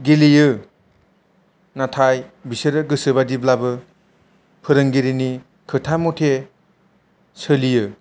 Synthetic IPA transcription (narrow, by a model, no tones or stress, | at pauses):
ɡilijɯ | natʰajbiseɾɯɡɯsɯbadiblabɯ | pʰɯɾɯŋɡiɾini | kʰɯtʰamotʰe | sɯlijɯ